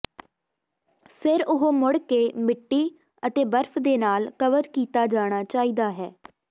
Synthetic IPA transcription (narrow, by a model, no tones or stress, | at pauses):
sɪɾʊɦoːmʊɽkeːmɪʈːiː | ət̪eːbəɾpʰd̪eːnaːlkəʋəɾkiːt̪aːd͡ʒaːɽ̃aːt͡ʃaːiːd̪aːɦɛː